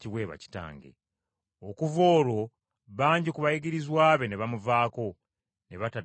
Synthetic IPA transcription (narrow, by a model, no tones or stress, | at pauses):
ciwe̞ːβa̰ci̥ta̰ːŋɡḛ | okuvo̞ːɾo̞ | βaːɲɟikuβajiɡiɾizwaːβe̞neβamuvaːko̞ | ne̞βata